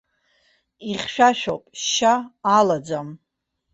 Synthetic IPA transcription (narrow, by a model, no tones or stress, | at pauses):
iχʲʃᶣaʃᶣo̰wpʼʃaːlad͡zam